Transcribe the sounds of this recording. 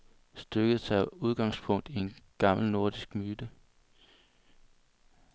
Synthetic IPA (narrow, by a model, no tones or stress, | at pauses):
sd̥øɡ̥əð̩ˠsɑ̈uð̞ˠɡ̥ɑ̈ŋspʰɔ̽ŋ̰d̥ie̝nɡ̥ɑ̈ml̩no̝ɐd̥isɡ̥myːd̥ə